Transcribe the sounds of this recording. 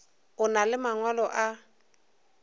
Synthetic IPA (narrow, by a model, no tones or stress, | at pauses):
ʊnalɪmaŋwalɔʔa